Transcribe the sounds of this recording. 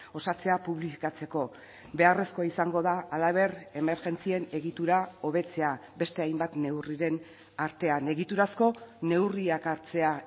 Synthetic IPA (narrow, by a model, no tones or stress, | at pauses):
o̞sat͡se̞apuβlifi̥kat͡se̞ko̞ | be̞aresko̞aisaŋɡo̞ðaːlaβ̞e̞ɾe̞me̞ɾɣe̞nt͡sie̞ne̞ɣit̪uɾao̞β̞e̞t͡se̞abe̞st̪e̞ajmbat̪ne̞wriɾe̞n | aɾt̪e̞ane̞ɣit̪uɾasko̞ne̞wriakaɾt͡se̞a